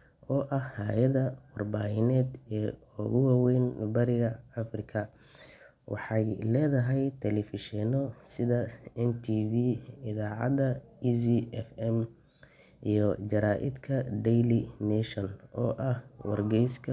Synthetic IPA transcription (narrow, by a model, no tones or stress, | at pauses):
ʔɔːʔɐhhaːjɐðɐwɑrbaːhɪnɛːd̪ɛːɔɣʊwɑːwɛjnbɐɾɪɣɐɐfrɪkʰɐ | wʔɑ̰ħɑjlɛːðɐɦɛjt̪ʰɛlɛfɪʃɛnɔsɪðɐɛnt̪ʰiːviɪðaːʕɑ̰d̪ɐisiɛfɛm | ijɔt͡ʃɐɾaːʔɪ̰d̪kʰɐd̪ɛjlɪnɛʃɔnɔːʔɐhwɑ̰rɡɛjskʰɐ